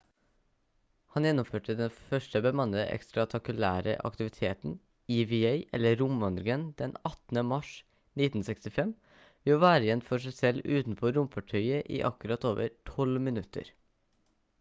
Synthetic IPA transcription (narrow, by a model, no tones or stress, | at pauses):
hɑnjɛnːʊmføːʈəd̪ɛnfœʂʈəbəmɑnːəʔɛ̰kst̪ɾɑt̪ʰɑkʉlæ̰ːɾə̰ʔɑ̰kt̪ɪʋɪt̪ʰeːt̪n̩ | iʋieɪʔɛ̰lːəɾʊmɑnd̪ɾɡənd̪̥ɛnɑt̪n̩əmɑʂ | nɪt̪n̩sɛkst̪ɪfɛm | ʋɪoːʋæːɾəjɛnt̪fɔʂæɪsɛlːʉːt̪n̩pʰoːɾʊmfɑʈʰœʏəʔḭːʔɑ̰kʉɾɑt̪oːʋə̰ɾʈʰɔlmɪnʉt̪ʰə̰ɾ